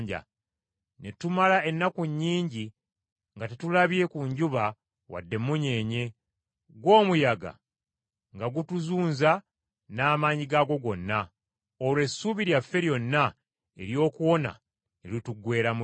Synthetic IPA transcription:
ɲɟa̰ | ne̞tumalae̞nːakuɲːiːɲɟi | ŋɡatetulaβie̞kuɲɟuβa | wa̰dːe̞muɲe̞ɲe̞ | ɡwo̞ːmujaɡa̰ | ŋɡaɡutuzuːnza | naːmaːɲiɡaɡo̞ɡo̞nːa | olwe̞sːuβiɾjafːe̞ɾjo̞nːa | e̞̰ɾjo̞ːkuwo̞na̰ | elituɡwe̞ːɾamu

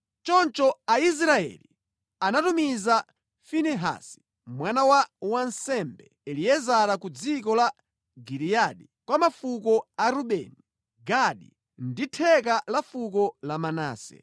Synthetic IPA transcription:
t͡ʃɔnt͡ʃɔais̬ɾaɛ̰lḭ | anatumiza | finɛɦa̰si̥ | mwanawawansɛmbɛ | ɛlijɛzaɾakud͡zikɔla | ɡiɾijaɗi | kwamafukɔaɾuɓɛ̰ni | ɡaɗḭ | nditʰɛk̬alafukɔlamana̰ːsɛ̰

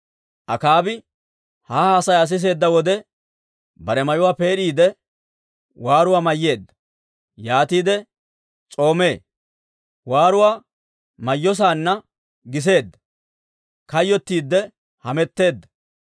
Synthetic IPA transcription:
ʔɐkaːbɪ | haːhaːsɐjɐs̬ɪs̬e̞ːd̪ːɐwɔd̪ɛ | bɐɾɛmɐjʊwaːpe̞ːɗiːd̪ɛ | waːɾʊwaːmɐjːe̞ːd̪ːɐ̥ | jaːt̪iːd̪ɛ | t͡sʼo̞ːme̞ː | waːɾʊwaː | mɐjːɔs̬aːnːɐ | ɡɪs̬e̞ːd̪ːɐ̥ | kɐjːɔt̪ːiːd̪ːɛ | hɐmɛt̪ːe̞ːd̪ːɐ̥

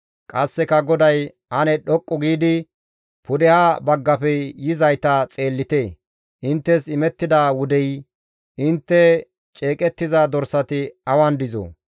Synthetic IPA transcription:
kʼɐsːɛkɐɡɔd̪ɐj | ʔɐnɛɗɔkʼːɔɡiːd̪ɪ | pʊd̪ɛhaːbɐɡːɐfɛjɪzɐjt̪ɐt͡sʼe̞ːlːɪt̪e̞ː | ʔɪnt̪ːɛsɪmɛt̪ːɪd̪aːwʊd̪ɛj | ʔɪnt̪ːɛ | t͡ʃʼeːkʼɛt̪ːɪzad̪ɔɾsɐt̪ɪɐwɐnd̪ɪzo̰ː

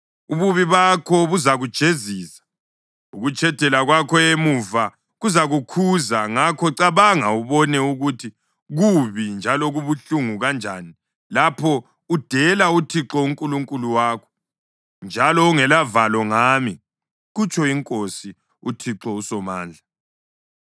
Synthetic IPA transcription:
uβuβiβakʰɔβuzaɣud̥ʒ̥ʱeziːsḁ | uɣut͡ʃʰʼɛd̥ʱɛlaɣwakʰɔemuva | ɣuzaɣukʰuzaŋakʰɔǀaβaŋauβɔnɛuɣutʰi | ɣuβind͡ʒʱalɔɣuβuɬuŋuɣand͡ʒʱaːni | lapʰɔ | ud̥ʱɛlautʰiǁɔuŋkʼuluŋkʼuluwaːkʰɔ̥ | nd͡ʒʱalɔːŋɛlavalɔŋaːmi | ɣut͡ʃʰʼɔiŋkʼosi | utʰiǁɔusɔma̰ːnd͡ɮʱa

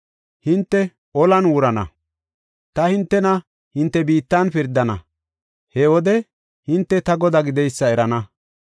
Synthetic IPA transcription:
hɪnt̪ːɛ | ʔɔlɐnwʊɾɐnɐ̰ | t̪ɐhɪnt̪ːɛnɐ | hɪnt̪ːɛbiːt̪ːɐnfɪɾd̪ːɐnɐ̰ | hɛwɔd̪ɛ | hɪnt̪ːɛt̪ɐɡɔd̪ɐɡɪd̪ɛjsːɐɛɾɐnɐ

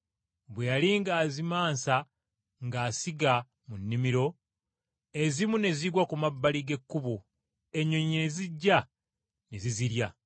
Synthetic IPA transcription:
βwe̞jaliŋɡaːzimaːnsa | ŋɡaːsiɡa | munːimiɾo̞ | e̞zimune̞ziɡwakumabːaliɡe̞kːuβo | eɲoɲineziɟːa | neziziɾja

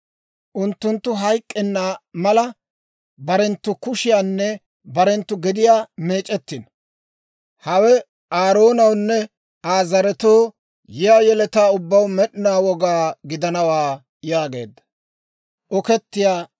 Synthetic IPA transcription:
ʔʊnt̪ːʊnt̪ːʊɦɐjkʼːɛnːaːmɐlɐ | bɐɾɛnt̪ːʊkʊʃɪjaːnːɛ | bɐɾɛnt̪ːʊɡɪd̪ɪjaːme̞ːt͡ʃʼɛt̪ːɪn | hɐwɛ | ʔaːɾo̞ːnɐwnːɛ | aːzɐɾɛt̪oː | jɪjaːjɛlɛt̪aːʊbːɐwmɛɗɪnaːwɔɡaːɡɪd̪ɐnɐwaː | jaːɡe̞̰ːd̪ːɐ̥ | ʔɔkɛt̪ːɪjaː

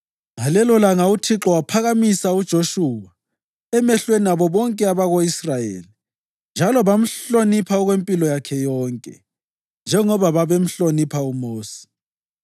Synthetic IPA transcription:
ŋalɛlɔlaŋautʰiǁɔwapʰaɣamisaud̥ʒ̥ʱoʃuwa | ɛmɛɬweniaβɔβɔŋkʼɛaβaɣoisrajḛːli | nd͡ʒʱalɔβam̩ɬonipʰaɔɣwempʼilɔjakʰɛjɔːŋkʼɛ̰ | nd͡ʒʱɛŋɔβaβaβem̩ɬonipʰaumoːsi̥

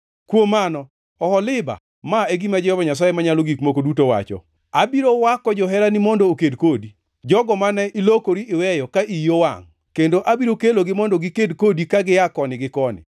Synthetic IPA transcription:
kwomanɔ | ɔhɔlɪba̰ | maeɡimad͡ʒɛɔbaɲas̬ajemaɲaloɡikmokodutowa̰t͡ʃɔ̰ | abiɾowakɔd͡ʒɔɦɛɾanɪmɔndookedkodi | d͡ʒɔɡɔmanɛʔilokoɾiʔɪwɛjɔkaʔijowa̰ŋ | kendoʔabiɾokeloɡɪmɔndoɡɪkedkodikaɡɪjakɔnɪɡɪkɔnɪ̰

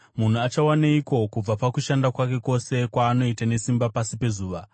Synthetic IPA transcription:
mun̤uat͡ʃawanaiko̞kub͡vapakuʃandakwake̞ko̞se̞kwaːno̞itane̞simbapasipe̞zuːʋa

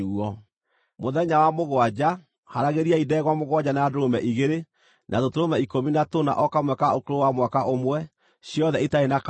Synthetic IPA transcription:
ɔ | moðɛɲawamoɣwad͡ʑa | haɾaɣeɾiaidɛɣwamoɣwaɟanadoɾomɛʔiɣeɾe | nʔaðotoɾomɛikominatona̰ʔɔkamwɛkaokoɾowamwakaʔomwɛ | ɕjɔðɛitaenak

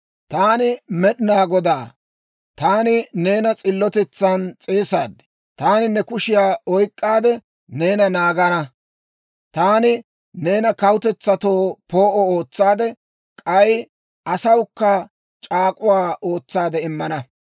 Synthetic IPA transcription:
t̪aːnɪmɛɗɪnaːɡɔd̪aː | t̪aːnɪne̞ːnɐt͡sʼɪlːɔt̪ɛt͡sːɐnt͡sʼeːsaːd̪ɛ̥ | t̪aːnɪnɛkʊʃɪjaːɔjkʼːaːd̪ɛ | ne̞ːnɐnaːɡɐnɐ | t̪aːnɪ | ne̞ːnɐkɐwʊt̪ɛt͡sːɐt̪oːpo̞ːʔɔo̞ːt͡sːaːd̪ɛ | kʼɐj | ʔɐsɐwkːɐ | t͡ʃʼaːkʼʊwaːʔoːt͡sːaːd̪ɛɪmːɐnɐ

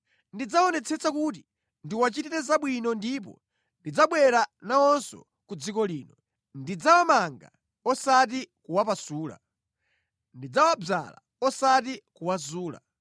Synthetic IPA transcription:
ndid͡zaɔnɛt͡sʰɛt͡sakut̬i | ndiwat͡ʃitiɾɛzaɓwinɔndip̬ɔ̰ | ndid͡zaɓwɛɾanaɔnsɔ̰ | kud͡zikɔliːnɔ | ndid͡zawamaŋɡa̰ | ɔsat̬ikuwapasuːla̰ | ndid͡zawab͡ʐa̰la̰ | ɔsat̬ikuwazuːla̰

